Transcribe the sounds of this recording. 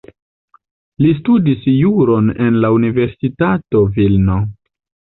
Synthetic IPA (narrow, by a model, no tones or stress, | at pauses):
lis̬tudisjuɾo̞nenlaunive̞ɾsitato̞vilno